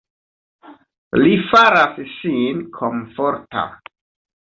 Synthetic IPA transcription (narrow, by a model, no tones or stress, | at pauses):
lifaɾassinkʰoɱfoɾta̰